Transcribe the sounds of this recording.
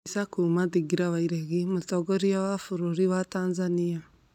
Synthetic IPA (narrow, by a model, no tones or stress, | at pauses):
sakumaðiɡiɾawaiɾeɣimotɔɡɔɾiawafoɾoɾiwataːnzania